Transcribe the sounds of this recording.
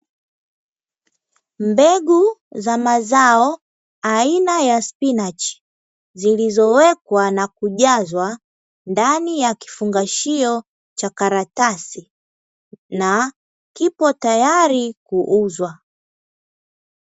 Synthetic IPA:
mbɛɡuzamazaɔ | ainajaspinat͡ʃi̥ | zilizɔwɛkwanakuʄazwa | ndanijaki̥fuŋɡaʃiɔ | t͡ʃakaɾatasi | na | kipɔtajaɾikuʔuzwa

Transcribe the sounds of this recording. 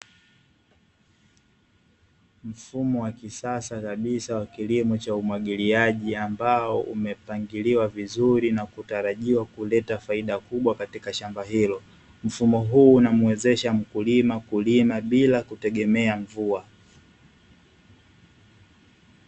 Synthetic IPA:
m̩fumɔwakisasakaɓisawakilimɔt͡ʃaumwaɠiliaʄiambaɔʔṵmɛpaŋɡiliwavizuɾinakutaɾaʄiwakulɛtafaiɗakuɓwakatikaʃambaɦilɔ | m̩fumɔɦuːnamuwɛzɛʃam̩kulimakulimaɓilakutɛɠɛmɛaɱvua

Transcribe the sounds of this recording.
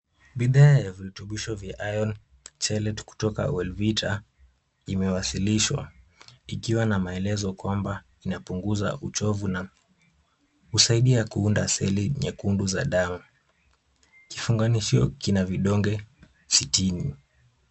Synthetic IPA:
ɓiðaːjaviɾutuɓiʃɔvjaʔajɔn | t͡ʃɛlɛtku̥tɔka̰wɛlvitʰa | imɛwasiliʃwa̰ikiwanamaɛlɛzɔkwamba | inapuŋɡuza̰ʔut͡ʃɔvuna | husaiɗiakuundasɛliɲakunduzaɗamu | ki̥fuŋɡaniʃiɔ̰kinaviɗɔŋɡɛ | sitini

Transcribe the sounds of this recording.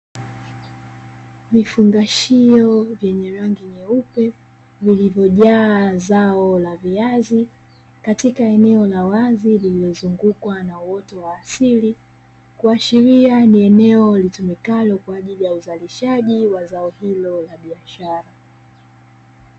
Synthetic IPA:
vifuŋɡaʃiɔvjɛɲɛɾaŋɡiɲɛupɛ | vilivjɔʄaːzaɔlaviazi | katikaɛnɛɔlawazililiɔzuŋɡukwanawɔtɔwaːsili | kuaʃiɾianiɛnɛɔlitumikalɔkwaːʄilijauzaliʃaʄiwazaɔhilɔlaɓiaʃaɾa

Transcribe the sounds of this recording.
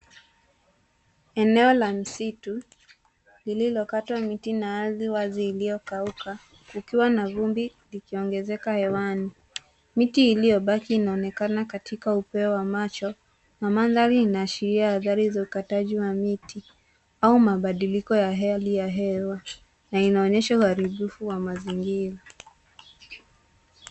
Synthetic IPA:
ɛnɛɔlam̩situ | lililɔkatwamitinaaðiwaziːlijɔkauka | kukiwanavumbi | likiɔŋɡɛzɛkahɛwani | mitiːlijɔɓakiːnaɔnɛkanakatikaupɛɔwamat͡ʃɔ | namanðaɾiːnaːʃiɾiahaðaɾizaukataʄiwamiti | aumaɓaɗilikɔjaɦɛlijaɦɛwa | nainaɔɲɛʃauhaɾiɓufuwamaziŋɡiɾa

